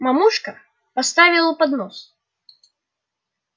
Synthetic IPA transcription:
mamuʂkɐ | past̪avʲilˠɐpad̪nɔs

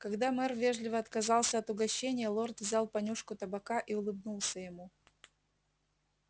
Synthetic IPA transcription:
kɐɡd̪amɛrvʲeʐlʲɪvəɐt̪kɐzɑlˠsʲəɐt̪ʊɡɐɕːenʲɪjəlˠo̞rt̪vzʲalˠpɐnʲuʂkʊt̪əbɐkaʔiʊlˠɨbnulˠsʲəjɪmu

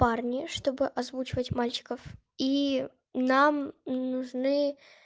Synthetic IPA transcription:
parnʲɪʂt̪o̞bɨʔɐzvut͡ɕɪvətʲmalʲt͡ɕɪ̥kəf | i | namnʊʐnɨ

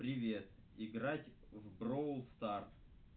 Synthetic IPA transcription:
pɾʲɪvʲe̞t̪ | ɪɡɾatʲ | vbɾoʊlˠst̪art̪

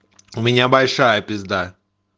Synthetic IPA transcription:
ʊmʲɪnʲabɐlʲʂajəpʲɪzd̪a

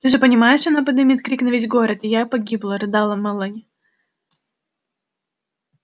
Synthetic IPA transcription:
t̪ɨʐɨpənʲɪmajɪʂɐnapəd̪ɨmʲit̪kɾʲiknɐvʲitʲɡoɾət̪ɪjapɐɡʲiblˠəɾɨd̪alˠɐmɐlˠanʲ

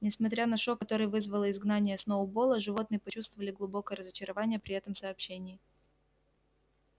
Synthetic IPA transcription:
nʲɪsmɐt̪ɾʲanɐʂo̞kːɐt̪o̞ɾɨjvɨzvəlˠəɪzɡnanʲɪjəsnoʊbo̞lˠəʐɨvo̞t̪̚nɨjəpɐt͡ɕust̪vəvəlʲɪɡlˠʊbo̞kəjəɾəzət͡ɕɪɾɐvanʲɪjəpɾʲɪɛt̪əmsɐːpɕːenʲɪː

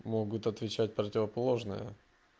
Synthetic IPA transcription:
mo̞ɡʊt̪ɐt̪vʲɪt͡ɕæt̚ʲpɾətʲɪvəpɐlˠo̞ʐnɨjə̰

